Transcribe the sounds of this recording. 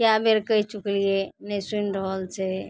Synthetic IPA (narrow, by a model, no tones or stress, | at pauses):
kjabeɾkəɦit͡ʃuklienəsunɾəɦəlt͡ʃʰɛ